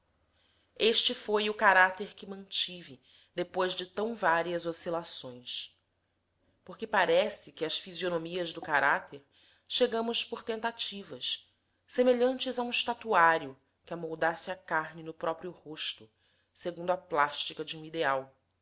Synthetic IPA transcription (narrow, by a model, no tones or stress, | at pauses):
eʃt͡ʃɪfojʊkaɾat̪eɾkɪmɐ̃t͡ʃivɪ | d̪epojzd͡ʒɪt̪ɐ̃w̃vaɾiɐzosilasõj̃s | pokɪpaɾɛsɪkɪɐsfizionomiɐzd̪ʊkaɾat̪ʰeɾ | ʃeɡɐ̃mʊspoɾt̪ẽnt̪at͡ʃivɐs | semeʎɐ̃nt͡ʃɪzaũʃt̪at̪uaɾjʊ | kɪamowd̪asɪɐkaɦnɪnʊpɾɔpɾiʊhoʃt̪ʊ | seɡũnd̪ʊaplaʃt͡ʃikɐd͡ʒiũid̪eaw